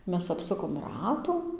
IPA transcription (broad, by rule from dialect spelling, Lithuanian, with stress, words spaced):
ˈmʲɛs ɐpˈsʊkoːm ˈrɑːtuː